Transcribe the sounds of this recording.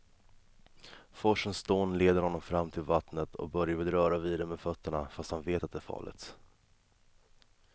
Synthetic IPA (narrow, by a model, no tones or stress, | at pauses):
fɔʂənsd̪oːnleːd̪əɾhɔnːɔmfɾamːt̪ʰɪlvat̪nət̪ʰɔ̰k̚bœɾjavɪd̪ɾœːɾaviːd̪əmeːd̪fœt̪ːəɳafast̪hanveːt̪at̪̚d̪ɛæːɾfɑ̰ːlɪ̰t̪